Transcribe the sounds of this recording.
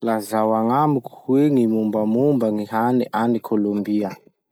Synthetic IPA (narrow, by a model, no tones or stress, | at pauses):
lazawaŋamuku̥hweŋimumbamumbəŋiɦaniʔanikʰolombiə